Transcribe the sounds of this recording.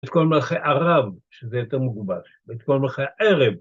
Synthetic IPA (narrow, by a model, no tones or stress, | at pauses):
et̪kolmalχejʔaʁavʃezejot̪eʁmuɡubaʃbet̪̚kolmalχeaʔeʁev